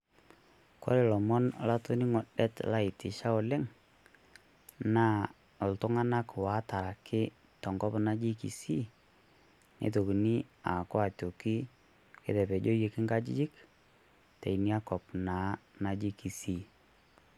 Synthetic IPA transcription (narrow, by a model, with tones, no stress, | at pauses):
kɔ̰˦ɾe˨lɔ˨mɔ˦n˦la˦to˦ni˦ŋɔ˨ɗɛ˦tla˦ɪ˨tɪ˨ʃa˦ɔ˨lɛ˦ŋ | na˦ | ɔ˨ltʊ˦ŋa˦na˦kwa˨˦ta˨ɾa˨kʰɪ˦ | tɔ˨ŋɡɔ˦pna˦d͡ʒi˦kḭ˨si˦ | nḛ˨t̬o˨ki˨nɪ˦a˨kɔ˦a˨to˨ki˦ | kḛ˦tɛ˨pɛ˨d͡ʒo˦je˨kɪ˦ŋɡa˦d͡ʒi˦d͡ʒɪ˦k | tḛ˨jni˦a˦kɔ˨pna˨˦na˦d͡ʒi˦ki˨si˦